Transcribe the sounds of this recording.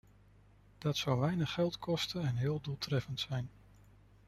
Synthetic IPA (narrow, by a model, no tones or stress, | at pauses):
d̥ɑtsɑwʋɛjnəχːɛlˠtkɔstənɛnɦɪːlˠduːlˠtrɛfəntsɛjn